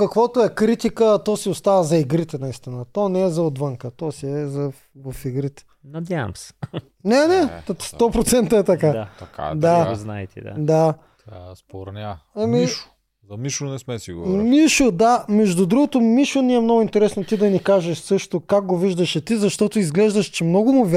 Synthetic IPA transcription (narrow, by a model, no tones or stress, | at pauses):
kɐkvot̪ʊɛkɾit̪ikət̪ɔsiost̪avəzɐiɡɾit̪ɛnɐist̪inət̪ɔnɛɛzɐod̪vəŋkət̪ɔsiɛzɐ | vɐfiɡɾit̪ɛ̥ | nɐd̪ʲavɐ̰msɛ̥ | nɛnɛt̪st̪ɔpɾot̪sɛnt̪ɐɛt̪ɐkat̪ɐka̰d̪aznaɛt̪ɛ̰d̪a̰d̪a | t̪a̰spoɾnʲaɐmiʃ | zɐmiʃonɛsmɛsiɡo̰miʃod̪amɛʒd̪ʊd̪ɾuɡot̪omiʃoniɛmnɔɡʊint̪ɛɾɛsnot̪id̪ɐnikaʒɛʃsɤʃt̪okak̚ɡoviʒd̪ɐʃɛt̪izɐʃt̪ɔt̪ʊizɡlɛʒd̪ɐʃt͡ʃɛmnɔɡʊmʊvʲ